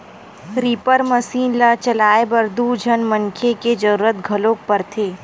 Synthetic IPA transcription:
ɾiːpəɾmɐsiːnlat͡ʃɐlaːebɐɾd̪ud͡ʒʱɐnmɐŋkʰeked͡ʒɐɾuːɾət̪ɡʱɐlõːk̚pɐɾt̪ʰeː

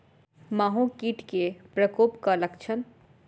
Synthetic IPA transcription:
maːɦũkiːʈkepɾəkoːpkaləkt͡ʃʰən

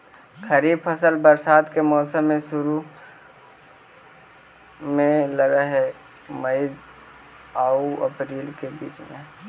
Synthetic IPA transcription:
kʰəɾiːb̚pʰəsəlbəɾsaːd̪kemɔːsəmːẽsʊɾu | mẽləɡaɦɛ | məi | aːuə̰pɾiːlkebḭːt͡ʃmẽ

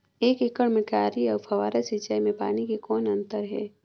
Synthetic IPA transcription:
eːkekəɽmẽkaːɾiɔːɾfʰɐʋaːɾesit͡ʃaimẽpaːnikekɔːnɐ̃nt̪əɾɦɛ̰ː

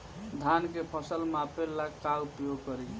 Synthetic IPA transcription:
d̪ʱankepʰəsəlmapelakkaupjoɡkəɾi

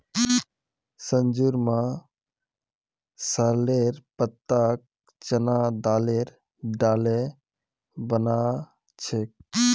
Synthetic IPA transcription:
sənd͡ʒuɾmã | saleɾpət̪ːak̚ | t͡ʃənad̪aːleɾ | ɖaːle | bəna | t͡ʃʰek̚

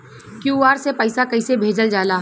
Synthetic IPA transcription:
kjuːaːɾsepəɪsakɐɪsebʱeːd͡ʒəld͡ʒaːlaː

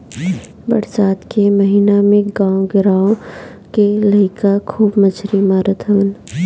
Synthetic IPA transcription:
bɐɾsaːd̪kemɐɦiːnamẽɡãːõɡɪɾaːõ | kelɐkakʰuːbmɐt͡ʃʰɾimaːɾət̪ʰɦən

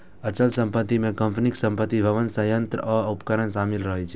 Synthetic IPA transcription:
ət͡ʃəlsəmpət̪ːimẽkəmpʰniksə̃mpət̪ːibʱəʋənsəjənt̪ɾəɔupkəɾənʃamilɾəɦɛt͡ʃʰe

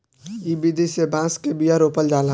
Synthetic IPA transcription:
ibid̪ʱisebãːskebijaɾoːpəld͡ʒaːl

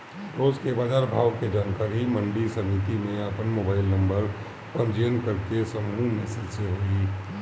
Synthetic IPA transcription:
ɾoːzkebaːd͡ʒaːɾbʱaːʋked͡ʒaːnkaːɾimə̃ɳɖisəmɪt̪imẽɐpənmoːbaːɪlnə̃mbəɾ | pə̃md͡ʒeːənkəɾk̪esəmuːmẽsɪlseɦoːi

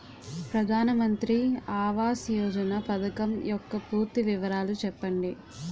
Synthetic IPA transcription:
pɾɐd̪ʱaːnɐmɐnt̪ɾiaːʋaːsjɔːd͡ʒɐnɐpɐd̪ɐkɐmjɔkːɐpuːɾt̪iʋiʋɐɾaːlut͡ʃɛpːɐɳɖi

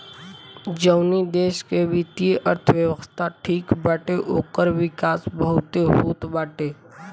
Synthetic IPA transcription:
d͡ʒəʊnid̪eːʃkebʱɪt̪ieʔəɾt̪ʰəʋjəʋəst̪ʰaʈʰiːkbaːʈeʔoːkəɾʋɪkaːsbəɦʊt̪eɦuːt̪baːʈeː

